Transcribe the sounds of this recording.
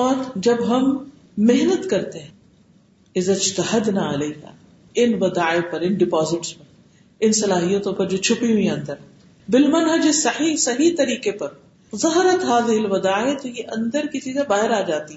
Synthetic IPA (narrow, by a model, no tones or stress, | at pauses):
ɔːt̪d͡ʒɐbɦɐmː | ɪɦnət̪kɐɾt̪eɦɛ̃ | ɪzɐɪd͡ʒt̪ɐhɐd̪naːɐlɐɦa̰ː | ɪnʋɐd̪aːɪpɐɾɪnɖɪpaːzɪʈspɐɾ | ɪnsɐlaːɦijət̪õpɐɾd͡ʒoːt͡ʃʰʊpiɦũĩɐ̃nd̪əɾ | bɪlmɐnɦɐd͡ʒesɐħiːɦsɐɦit̪ɐɾiːkepɐɾ | zɐɦɾət̪ɦaːzɪɦɪlʋɐd̪aːet̪ojeʔɐ̃nd̪əɾkit͡ʃiːzẽbaːɦɪɾaːd͡ʒaːt̪iɦ